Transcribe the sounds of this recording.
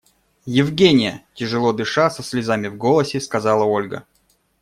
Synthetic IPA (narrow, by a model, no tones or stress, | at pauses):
jɪvɡʲenʲɪjə̰tʲɪʐɨlˠo̞d̪ɨʂasəsʲlʲɪzamʲɪvɡo̞lˠəsʲɪskɐzalˠəo̞lʲɡə̰